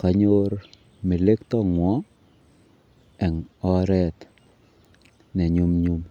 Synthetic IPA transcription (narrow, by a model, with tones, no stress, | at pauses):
ka˨ɲo˦ɾ | me˨le˦kt̪ɔ˦ŋwɔ˦ | ɛ˨ŋɔ˦ɾɛ˦t̪ | nɛ˨ɲu˦mɲu˦m